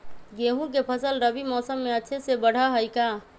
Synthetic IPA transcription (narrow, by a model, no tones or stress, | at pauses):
ɡeɦũk̬epʰəsəlɾəbimɔːsəmːeəʃʰesebəɽ̤aɦəjka